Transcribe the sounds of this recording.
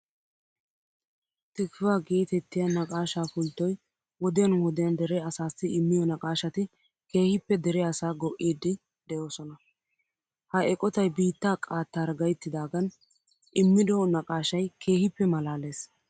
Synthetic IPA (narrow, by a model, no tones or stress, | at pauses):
t̪ɪkwaːɡiːt̪ɛt̪ːɪjɐnɐkʼaːʃaːfʊlt̪ːɔj | wɔd̪ɪjɐnwɔd̪ɪjɐnd̪ɛɾɛɐsaːsːɪɪmːɪjɔnɐkʼaːʃɐt̪ɪ | ke̞ːhɪpːɛd̪ɛɾɛɐsaːɡɔʔiːd̪ːɪ | d̪̥ɛjo̞ːsɔnɐ | hɐʔɛkʼɔt̪ɐjbiːt̪ːaːkʼaːt̪ːaːɾɡɐjt̪ːɪd̪aːɡɐn | ʔɪmːɪd̪ɔnɐkʼaːʃɐjkʰe̞ːhɪpːɛmɐlaːle̞ːs